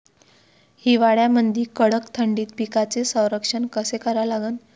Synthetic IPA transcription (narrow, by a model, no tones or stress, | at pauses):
hiʋaɽɭjamənd̪ʱiːkəɽəkt̪ʰəɳɖiːt̪̚pikat͡sesə̃w̃ɾəkʂənkəsekəɾalaɡəːn